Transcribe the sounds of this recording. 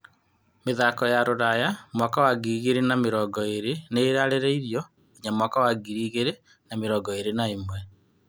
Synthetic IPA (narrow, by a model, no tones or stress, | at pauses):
meðakɔjaɾoɾajamwakawaɡiɣeɾenameɾɔɡɔeɾeneɾaɾeɾeiɾjɔ | iɲamwakawaɡiɾiːɣeɾe | nameɾɔːɡɔeɾenaemwɛ